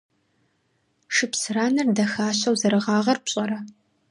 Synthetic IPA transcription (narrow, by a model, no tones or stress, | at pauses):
ʂɨpsɨraːnɨrdɐxaːɕɐwzɐɾɨʁɑːʁɐrpɕʼɐɾɐ